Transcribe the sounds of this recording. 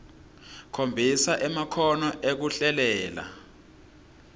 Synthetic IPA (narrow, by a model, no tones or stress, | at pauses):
kʰombʱisaʔɛmakʰɔnɔʔek̬uɬɛlɛːla̰